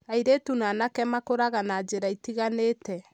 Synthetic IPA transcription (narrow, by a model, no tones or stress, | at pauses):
aiɾetunaːnakɛmakoɾaɣanad͡ʒeɾaitiɣaneːtɛ